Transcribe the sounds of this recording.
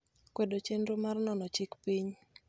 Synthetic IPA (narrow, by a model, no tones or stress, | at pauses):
kwedot͡ʃendɾomarnɔnɔt͡ʃɪkpiɲ